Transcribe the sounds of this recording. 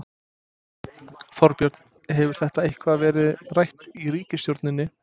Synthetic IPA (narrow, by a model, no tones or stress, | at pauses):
fɔɾpjœɾt̪n | ɦɛvʏɾ̥θɛht̪aejhkʰvavɛːɾɪðrajht̪iriːcɪstjowɾt̪nɪnːɪ